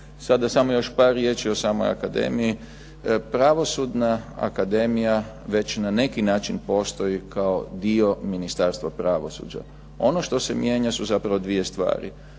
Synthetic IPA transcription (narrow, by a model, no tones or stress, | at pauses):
sad̪asamojo̞ʃpaːɾːje̞t͡ʃio̞saːmoja̰kad̪e̞̰miji | pɾaʋo̞sud̪naa̰kad̪e̞mija | ʋe̞t͡ɕnane̞kinaːt͡ʃinpo̞st̪o̞ikʰao̞d̪io̞minist̪aːɾst̪ʋapɾaʋo̞sṵd͡ʒa̰ | o̞noʃt̪o̞se̞mjeɲasuzapɾaʋo̞d̪ʋije̞st̪ʋa̰ːɾḭ